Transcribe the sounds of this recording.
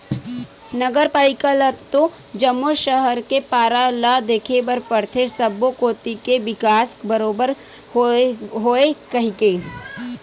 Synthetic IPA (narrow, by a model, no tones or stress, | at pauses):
nɐɡəɾpaːɾɪkələt̪ːõ | d͡ʒɐmːoʃəɦəɾkepaːɾalad̪eːkʰebɐɾpəɽt̪ʰesɐbːokoːt̪ikeʋɪkaːsbəɾoːbəɾ | oɦoːekɐɦikeː